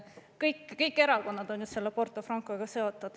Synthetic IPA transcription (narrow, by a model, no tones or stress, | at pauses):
kɤjkːkɤjkːˑe̞ɾɑko̞nːɑd̪̥o̞njust̪se̞lːepo̞rt̪ˑofrɑŋkˑoɡ̥ɑse̞o̞t̪ːˑud̪̥